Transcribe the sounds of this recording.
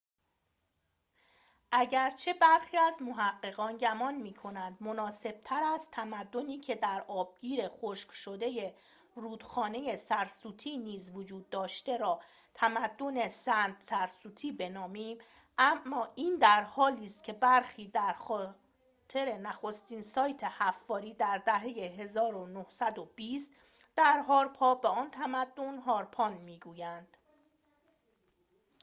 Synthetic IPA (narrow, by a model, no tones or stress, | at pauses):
ʔæɟæɾt͡ʃʰe̞bæɾxiːæzmo̞ɦæɢːe̞ɣɒːnɟæmɒːnmiːkʰo̞nænd̪mo̞nɒːse̞b̥̚t̪ʰæɾæst̪ʰæmæd̪ːo̞niːcʰe̞d̪æɾɒːb̥̚ɡiːɾe̞xoʃkʃod̪e̞je | ruːd̪̥xɒːne̞je̞sæɾsuːt̪ʰiːniːzvod͡ʒuːd̪ːɒːʃt̪e̞ɾɒː | t̪ʰæmæd̪ːo̞ne̞sænt̪sæɾsuːt̪ʰiːbe̞nɒːmiːm | ʔæmːɒːʔiːnd̪æɾhɒːliːst̪̚cʰe̞bæɾxiːd̪æɾxɒː | t̪ʰe̞ɾe̞næxo̞st̪iːnsɒːjt̪ʰe̞hæfːɒːɾiːd̪æɾd̪æɦe̞jeɦe̞zɒːɾonohsæd̪ob̥iːst̪ | d̪̥æɾɦɒːɾpʰɒːbeɒːnt̪ʰæmæd̪ːo̞nɦɒːɾpʰɒnmiːɡuːjænd̪̥